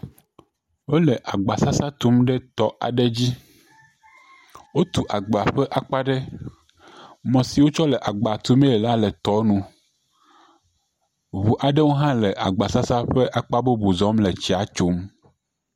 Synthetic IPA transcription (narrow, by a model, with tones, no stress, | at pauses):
wo˦lɛ˨ʔa˨ɡ͡ba˨sa˦sa˦t̪u˦mɖɛ˦t̪ɔ˨˦ʔa̰˨ɖɛ˦d͡ʑi˦ | wo˦t̪u˨ʔa˨ɡ͡ba˨ɸɛ˦ʔa˨k͡pa˦ɖɛ˦ | mɔ̃˨si˨wo˦t͡ʃɔ˦lɛ˨ʔa˨ɡ͡ba˨t̪u˦me˦ɛ˨la˦lɛ˨t̪ɔ˨˦nũ˨ | βu˨ʔa˨ɖɛ˦wo˦ɦã˦lɛ˨ʔa˨ɡ͡ba˨sa˦sa˦ɸɛ˦ʔa˨k͡pa˦bo˦bu˨zɔ˦mlɛ˨t͡ɕi˨a˨t͡ʃo˦m